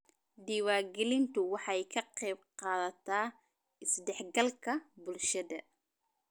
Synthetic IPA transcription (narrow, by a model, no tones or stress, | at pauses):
ɖ̪iːwaːɡɛlɪnt̪ʰʊwɑħɑjkʰɐqɛːb̚qɑːðɐt̪ʰaː | ɪsɖɛħɡɐlkʰɐbʊlʃɐðɐ̰